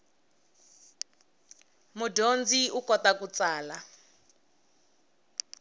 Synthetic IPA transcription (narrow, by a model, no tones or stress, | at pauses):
mudʱond͡ziukɔtakut͡saːla